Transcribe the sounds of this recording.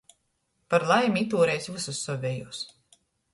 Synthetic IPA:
paɾlˠajmit̪uːɾɛːjsʲvususːɔvʲɛjuːs

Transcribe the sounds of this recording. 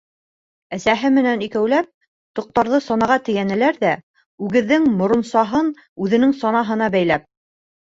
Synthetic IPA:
æsæɦɘmɘ̆nænikæwlæp̚ | t̪ŏq̚t̪ɑɾðɤsɒnɑʁɑt̪ɘ̆jænɘ̆læɾðæ | ʉɡɘ̆ðːɘŋmŏɾŏnsɑɦɤn | ʉðɘ̆nɘŋsɒnɑɦɤ̆nɑbæjlæp̚

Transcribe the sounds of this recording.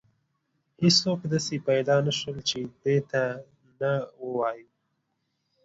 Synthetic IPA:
hɪsːokd̪asepajd̪ɑnaʃwəlt͡ʃed̪et̪a | nawəwɑju

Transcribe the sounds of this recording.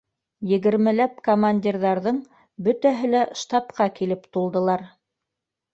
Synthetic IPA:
jɘ̆ɡɘ̆ɾmɘ̆læp̚komanʲdʲirðɑɾðɤɴ | bɵ̆t̪æɦɘlæʃt̪ɑpqɑkilɘpt̪ulˠd̪ɤ̆lˠɑɾ

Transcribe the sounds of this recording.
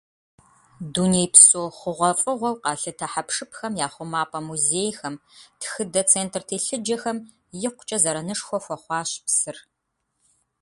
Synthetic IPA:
dunejpsʼoːχʷʊʁʷɐfʼɨʁʷɔwqɑːɬɨtʰɐħapʂɨpʰxɐmjaːχʷʊmaːpʼɐmuzeːjxɐmtʰxɨdɐt͡sʰeːntʰrtʰeːɬɨd͡ʒɐxɐm | jɪqʷʊ̥t͡ʃʼɐzɐɾɐnɨʂxʷɔxʷɔχʷɑːɕpsɨr

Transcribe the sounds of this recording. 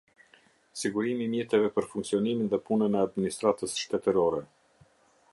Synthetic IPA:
siɡuɾimimjɛt̪ɛvɛpəɾfuŋksiɔniminðɛpunənɛad̪minist̪ɾat̪əsʃt̪ɛt̪əɾɔɾɛ

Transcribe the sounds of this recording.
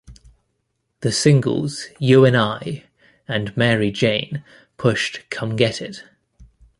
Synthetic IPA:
ðəsɪ̃ŋɡə̰lˠz̥jʉːɛ̃naɪ | ə̃nmɛːɹid͡ʒẽɪ̃n | pʰʊʃtkʰʌ̃mɡɛtʰɪd̥

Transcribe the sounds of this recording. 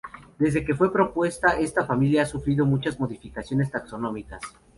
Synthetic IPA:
d̪e̞zðe̞ke̞fwe̞pɾo̞pwe̞st̪ae̞st̪afamiljaasufɾiðo̞mut͡ʃazmo̞ðifikasjo̞ne̞st̪akso̞nõ̞mikas

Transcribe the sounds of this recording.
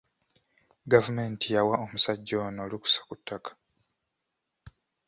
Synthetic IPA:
ɡavume̞ntijawaomusaɟːonoːliku̥sḁkutʰːakḁ

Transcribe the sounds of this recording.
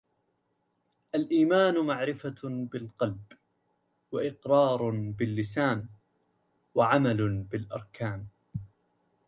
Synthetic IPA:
ʔalʔiːmaːnmaʕɾɪfabɪlqɑlb | waʔɪqɾˤɑːɾˤbɪlːɪsaːn | waʕamalbɪlʔɑ̰ɾˤkaːm

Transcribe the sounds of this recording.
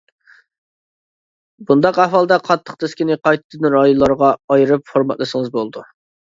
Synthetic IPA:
bund̪ɑqæhwɑlˠd̪ɛqʰɑt̪ʰːəqt̪ʰɪskʲinɪqʰɑjt̪ʰɨd̪ɨnɾɑjonlˠɑɾʁɑɑjiɾɨpfoɾmɑ̰t̪lˠɨʃəŋɨzbolˠd̪u

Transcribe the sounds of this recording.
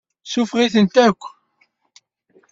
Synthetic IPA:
sufʁiθənt̪ækʷː

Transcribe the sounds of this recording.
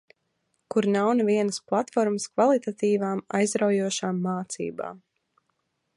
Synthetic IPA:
kuɾnawnɛviɛnəsplˠat̪fɔɾməskvalˠit̪at̪iːvaːma̰jzɾawjuɔʃaːmːaːt̪sḭːba̰ːm

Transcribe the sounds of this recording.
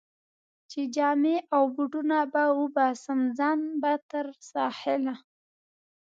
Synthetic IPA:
t͡ʃed͡ʒɑmeʔawbuɖunabawʊbɑsamzɑnbat̪əɾsɑhɪla

